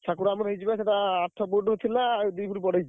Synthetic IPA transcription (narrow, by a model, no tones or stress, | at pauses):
t͡ʃʰakuɾamɔɾɦid͡ʒibaseʈaːʈʰːɔbuɖɦot̪ʰilawd̪ijpuɾipɔɽejd͡ʒʰ